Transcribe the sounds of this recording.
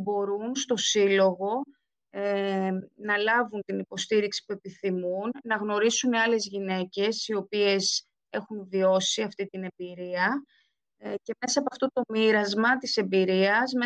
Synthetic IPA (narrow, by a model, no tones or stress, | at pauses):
bo̞ɾunst̪o̞silo̞ɣo̞ | e | nɐlɐvunt̪inipo̞st̪iɾiksi̥pue̞piθimunːɐɣno̞ɾisuniɐle̞zʝine̞ce̞sio̞pie̞s | e̞xunðio̞siɐft̪it̪ine̞mbiɾiɐ | ce̞me̞sɐɐpoɐft̪o̞t̪o̞miɾɐzmɐt̪ise̞mbiɾiɐsme